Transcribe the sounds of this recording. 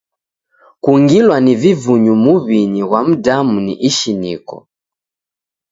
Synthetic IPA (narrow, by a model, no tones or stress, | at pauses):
kuŋɡilwanivivuɲumuβiɲiɣwam̩damunḭʔiʃinikɔ̰